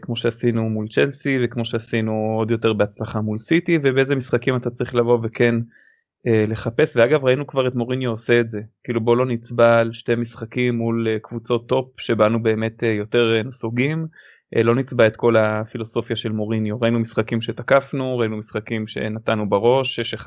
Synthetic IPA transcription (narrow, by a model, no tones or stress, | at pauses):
kmo̞ʃeasinumult͡ʃelsivekmo̞ʃeasinuo̞d̪jo̞te̞ʁbeat͡slaχamulsitivebeezemisχakimatat͡saʁiχlavo̞vekʰe̞n | ele̞χape̞sveaɡavʁainukvaʁetmo̞ʁinjoose̞ːtze̞kiːlubo̞lo̞nit͡sbalʃte̞misχakimːulkvut͡so̞t̪ːo̞p̚ʃe̞banube̞ːme̞tejo̞te̞ʁnasuɡim | ʔlo̞nit͡sbaetko̞lafilo̞so̞fjaʃe̞lmo̞ʁinjoʁainumisχakimʃe̞takafnuʁainumisχakimʃe̞̰natanubaʁo̞ʃʃe